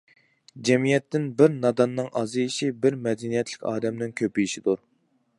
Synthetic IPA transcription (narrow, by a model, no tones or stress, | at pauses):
d͡ʒɛmijɛt̪ːɪnbɪɾnɑd̪ɑnːɨŋʔɑzɨjiʃibɪɾmɛd̪ɛnijɛt̪ʰlɪkʲɑ̰ːd̪ɛmnɪŋkʲʰøpijiʃid̪uɾ